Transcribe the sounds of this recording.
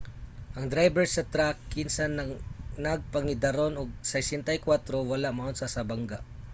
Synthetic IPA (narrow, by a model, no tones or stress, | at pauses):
ʔɐŋd̪ɾajbɛɹsɐt̪ɾakːɪnsanɐnɐɡ̚pɐŋɪd̪ɐɾonʊɡ̚sɛjsɛnt̪ajkwat̪ɾowɐlaʔmaʔonsasɐbaŋɡaʔ